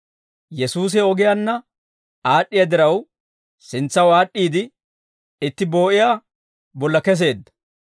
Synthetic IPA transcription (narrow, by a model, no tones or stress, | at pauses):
jɛsuːs̬ɛɔɡɪjanːɐ | aːɗːɪjad̪ɪɾɐw | sɪnt͡sːɐwaːɗʼːiːd̪ɪ | ɪt̪ːɪbo̞ːʔɪjaː | bɔlːɐkɛs̬e̞ːd̪ːɐ̥